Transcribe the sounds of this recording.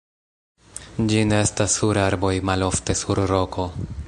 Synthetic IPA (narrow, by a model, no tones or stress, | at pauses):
d͡ʒineestasːuɾaɾbo̞jmalo̞fte̞suɾɾo̞kʰo̞